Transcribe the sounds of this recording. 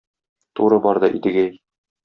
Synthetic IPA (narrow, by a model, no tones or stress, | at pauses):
t̪uɾɤbɒɾd̪ɑʔid̪ɘ̆ɡæj